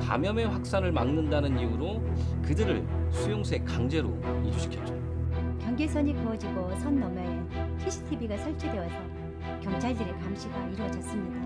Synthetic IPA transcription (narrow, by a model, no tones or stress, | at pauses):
ka̰mjʌmeɸwak̚s͈anɯɭmaŋnɯndanɯniuɾo | kɯdɯɾɯ̰ɭsʰujoŋsʰe̞kaŋd͡ʑe̞ɾo̰iɾuɕʰi̥kʰjʌt͡ɕ͈o | kjʌŋɡesʰʌɲikɯʌd͡ʑiɡosʰʌnːʌmaupʰiɕʰi̥tʰibiɡasʰʌɭt͡ɕʰidwe̞wasʰʌ | kjʌŋt͡ɕʰaɭdɯɾekamɕʰiɡaiɾwʌd͡ʑʌs͈ɯmɲid̥a